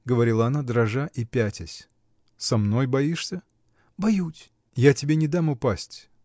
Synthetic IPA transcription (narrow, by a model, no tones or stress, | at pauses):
ɡəvɐɾʲilˠəɐnad̪ɾɐʐaʔipʲætʲɪsʲ | sɐmno̞jbɐiʂsʲə | bɐjutʲ | jatʲɪbʲe̞nʲɪd̪amʊpasʲtʲ